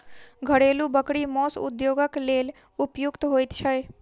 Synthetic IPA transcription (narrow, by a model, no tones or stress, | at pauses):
ɡʱəɽeːlubəkɽimɔːsʊ̰d̪joːɡəkleːl | ʊpjʊkt̪ɦojt̪t͡ʃʰəj